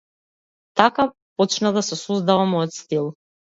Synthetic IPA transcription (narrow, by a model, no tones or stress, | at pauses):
t̪aka | pɔt͡ʃnad̪asɛsɔzd̪avamɔjɔt̪st̪ilˠ